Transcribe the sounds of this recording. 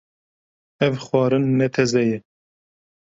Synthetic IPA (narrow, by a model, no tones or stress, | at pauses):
ɛvxwɑːɾɨnːɛt̪ʰɛzɛjɛ